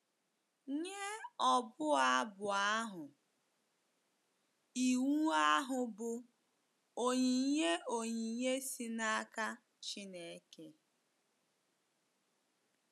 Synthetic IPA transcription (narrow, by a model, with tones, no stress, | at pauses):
ɲe˦ɔ˨bʊ˦a˦bʊ˨a˦ɦʊ˨ | i˨wu˦a˦ɦʊ˨bʊ˨ | o˨ɲe˨˦ɲe˦o˨ɲi˨˦ɲe˦si˦na˦a˦ka˦ | t͡ʃi˦ne˨˦ke˦